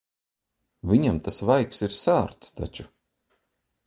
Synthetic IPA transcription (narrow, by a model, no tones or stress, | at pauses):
vʲiɲamt̪asvajksiɾsaːɾt̪st̪a̰t͡ʃu